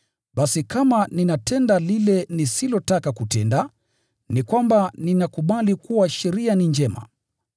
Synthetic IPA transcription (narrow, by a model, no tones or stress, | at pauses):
ɓasikamaninatɛndalilɛnisilɔtakakutɛnda | nikwambaninakuɓalikuwaʃɛɾianiɲd͡ʒɛma̰